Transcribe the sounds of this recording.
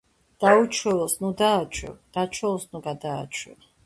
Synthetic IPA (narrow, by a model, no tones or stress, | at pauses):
d̪̥aut͡ʃʰwɛlˠɔsnud̪aːt͡ʃʰwɛ̰vd̪̥at͡ʃʰwɛlɔsnuɡad̪a̰ːt͡ʃʰwɛ̰v